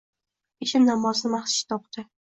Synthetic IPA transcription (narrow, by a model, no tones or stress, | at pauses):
eʃɪmnamɒznɪmaχsɪ̥ʃt̪ʰɒp̚t̪ɪ